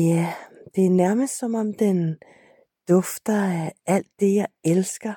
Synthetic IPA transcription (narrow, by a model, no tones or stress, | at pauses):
jæd̥e̝æɐnæɐməsd̥sɒmɒ̽md̥en | d̥ɔfd̥ɐʔæl̰d̥ːe̝jɑ̈ɪelsɡ̥ɐ